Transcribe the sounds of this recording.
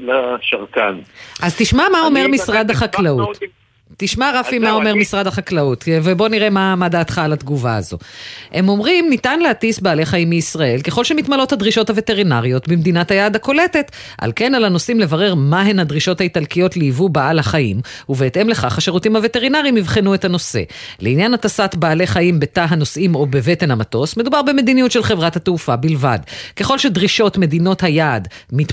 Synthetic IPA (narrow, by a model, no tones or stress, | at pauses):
laʃaʁkanʔazt̪iʃmamao̞me̞ʁmisʁad̪aχaklautː | iʃmaʁafimao̞me̞ʁmisʁad̪aχaklaut̪vebo̞niʁe̞mamad̪aːt̪χaːlat̪ɡuvaa̰zo̞̰he̞mo̞mʁimnitanlehatisbaːleχaimːiisʁae̞lke̞χo̞lʃemit̪malo̞t̪hadʁiʃo̞thave̞te̞ʁinaʁijo̞t̪bemd̪inathajaːd̪ako̞le̞te̞t̪ | ʔa̰lke̞nalano̞simlevaʁe̞ʁmaɦe̞nadʁiʃo̞thaitalkijo̞tliːvubaalhaχaḭmuveːtʔe̞mle̞χaχaʃeʁutimhaveteʁinaʁiimivχenue̞thano̞se̞̰leinjanatasatbaːle̞χaimbetaɦano̞sʔimo̞beve̞te̞nhamato̞smed̪ubaʁbeme̞d̪inijutʃe̞lχevʁathateufabilva̰dke̞χo̞lʃe̞d̪ʁiʃo̞tme̞d̪ino̞thajaːdmit